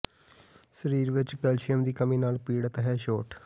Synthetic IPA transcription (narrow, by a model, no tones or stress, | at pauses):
səɾiːɾʋɪt͡ʃkɛlʃɪjəmd̪iːkəmĩːnaːlpiːɽt̪ɦɛːʃoːʈ